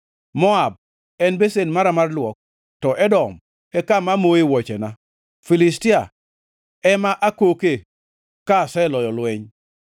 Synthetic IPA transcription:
mɔab̚ | ɛnbesenmaɾamarlwɔk̚ | tɔʔɛdɔm | ɛkamamoewɔt͡ʃɛna | filɪstia | ɛmaʔakoke | kasɛlɔjɔlwɛɲ

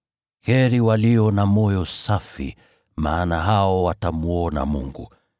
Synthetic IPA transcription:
hɛɾiwaliɔnamɔjɔsafḭ | maːnaɦaɔwatamuɔna̰mṵŋɡu

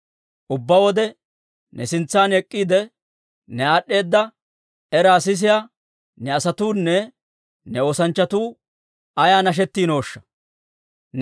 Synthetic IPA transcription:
ʔʊbːɐwɔd̪ɛ | nɛsɪnt͡sːaːnɛkʼːiːd̪ɛ | nɛaːɗːe̞ːd̪ːɐ | ɛɾaːsɪs̬ɪja | nɛɐsɐt̪uːnːɛ | nɛo̞ːsɐnt͡ʃːɐt̪uː | ɐjaːnɐʃ̬ɛt̪ːiːno̞ːʃːɐ̥ | n

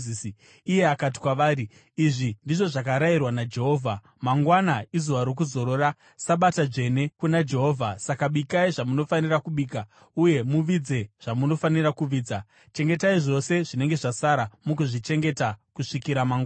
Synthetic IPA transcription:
isi | ije̞akat̬i̥kwaʋaːɾi | iʐindiʐo̞ʐakaɾairwanad͡ʒe̞ɦo̞ːvʱa | maŋɡwanaizuʋaɾok̬uzo̞ɾo̞ra | saɓatad͡ʐe̞ne̞kunad͡ʒe̞ɦo̞ːvʱasakaɓikaiʐamuno̞fanirakuɓiːka | uje̞muʋid͡ze̞ʐ̥amuno̞fanirakuʋiːd͡za | t͡ʃe̞ŋɡe̞taiʐo̞se̞ʐine̞ŋɡe̞ʐasaɾamukuʐit͡ʃe̞ŋɡe̞takuʂikiɾamaŋɡa

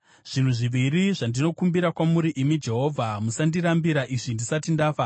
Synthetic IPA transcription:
ʐ̥in̤uʐiʋiɾiʐandino̞kumbiɾakwamuɾiʔimid͡ʒe̞ɦo̞ːvʱamusandiɾambiɾaʔiʐindisatindaːfa

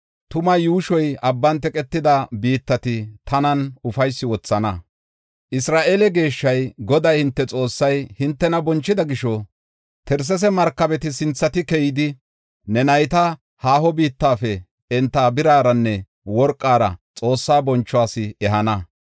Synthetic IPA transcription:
t̪ʊmɐjuːʃɔjɐbːɐnt̪ɛkʼɛt̪ːɪd̪ɐbiːt̪ːɐt̪ɪt̪ʰɐnɐnʊfɐjsːɪwɔt͡sːɐnɐ | ʔɪsɾaːʔeːlɛɡe̞ːʃːɐjɡɔd̪ɐjhɪnt̪ːɛt͡sʼo̞ːsːɐjhɪnt̪ːɛnɐbɔnt͡ʃːɪd̪ɐɡɪʃɔ | t̪ɛɾs̬ɛs̬ɛmɐɾkːɐbɛt̪ɪsɪnt͡sːɐt̪ɪkɛjɪd̪ɪ | nɛnɐjt̪ɐ | haːhɔbiːt̪ːaːfɛ | ɛnt̪ːaːbɪɾaːɾɐnːɛ | wɔɾkʼːaːɾɐ̰t͡sʼo̞ːsːaːbɔnt͡ʃːɔaːsɪɛɦɐnɐ

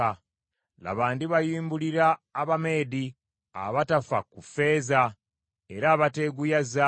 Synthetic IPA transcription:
a | la̰βaːndiβajiːmbuliɾaːβame̞ːdi | a̰βatafakufe̞ːza | e̞ɾaːβate̞ɡujaza

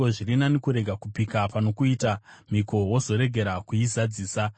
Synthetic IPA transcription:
oʐiɾinanekuɾe̞ɡʱakupikapano̞kuitam̤iko̞wo̞zo̞ɾe̞ɡʱe̞ɾakuizad͡ziːsa

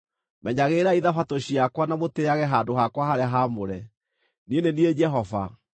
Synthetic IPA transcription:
mɛɲaɣeːɾaiðafatoɕiakwanamoteaɣɛɦaːdoɦakwahaɾɛɦamoɾɛ | nienenied͡ʒɛɦɔva̰

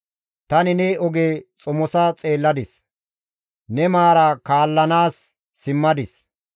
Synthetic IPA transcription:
t̪ɐnɪnɛɔɡeːt͡sʼʊmɔsɐt͡sʼe̞ːlːɐd̪ɪs | nɛmaːɾɐkaːlːɐnaːsː | ɪmːɐd̪ɪs

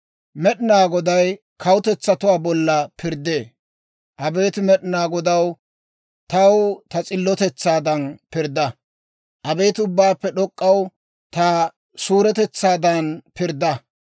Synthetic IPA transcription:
mɛɗɪnaːɡɔd̪ɐj | kʰɐwʊt̪ɛt͡sːɐt̪ʊwaːbɔlːɐpʰɪɾd̪eː | ʔɐbe̞ːt̪ɪmɛɗɪnaːɡɔd̪ɐw | t̪ɐwt̪ɐt͡sʼɪlːɔt̪ɛt͡sːaːd̪ɐnpɪɾd̪ɐ | ʔɐbe̞ːt̪ʊbːaːpːɛɗɔkʼːɐw | t̪a | suːɾɛt̪ɛt͡sːaːd̪ɐnpɪɾd̪ɐ

